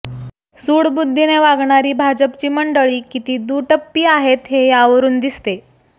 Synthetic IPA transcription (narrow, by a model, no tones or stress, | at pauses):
suːɽbud̪ʱːineʋaɡɳaɾiːbʱad͡ʑəpt͡ɕiːməɳɖəɭiːkit̪iːd̪uʈəpːiːaɦet̪ɦejaʋəɾuːnd̪ist̪e